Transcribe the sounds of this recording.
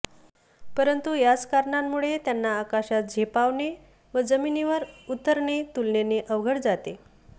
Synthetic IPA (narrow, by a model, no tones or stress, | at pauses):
pəɾənt̪ujat͡skaɾɳamːuɭet̪janːaːkaɕat̪̚d͡ʑʱepaʋɳe | ʋəd͡zəminiʋəɾut̪ːəɾɳet̪ulneneʔəʋɡʱəɽd͡zat̪e